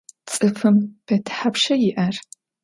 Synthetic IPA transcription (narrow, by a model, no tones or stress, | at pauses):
t͡sʼɨfɨmb̥ʰɐtʰħapʃɐjɪʔɐr